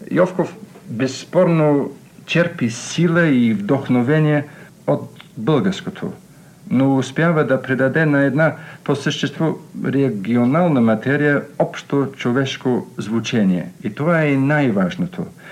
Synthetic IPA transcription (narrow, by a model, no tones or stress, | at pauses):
jɔfkofbɛsːpɔɾno | t͡ʃɛɾpisilˠəivd̪oxnovɛnʲijɛ | ot̪bəlˠɡɐɾskot̪ʰo̰ | noːspʲjavəd̪ɐpɾɛd̪ad̪ɛnɐɛd̪naposəʃt̪ɛst̪voɾɛɡionalˠnəmɐt̪ɛɾijəɔpʃt̪ot͡ʃovɛʃkozvut͡ʃɛnʲiɛ̰it̪ovaɛnajvaʒnot̪ʰo̰